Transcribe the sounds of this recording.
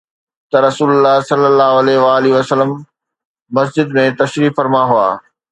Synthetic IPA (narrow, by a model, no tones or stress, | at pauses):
t̪ɐɾɐsuːlʊlːaɦsɐlːəlːaːɦoɐlɛɦɪʋaːliɐsəlːəmː | ɐs̬d͡ʑɪd̪mẽt̪ɐʃɾiːfɐɾmaɦua̰ː